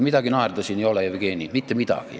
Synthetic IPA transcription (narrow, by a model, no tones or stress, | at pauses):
mid̪ɑɡ̥inɑerd̪ɑsʲiniolejʋikeːnʲimit̪ːemit̪ɑ̰ɡ̥ḭ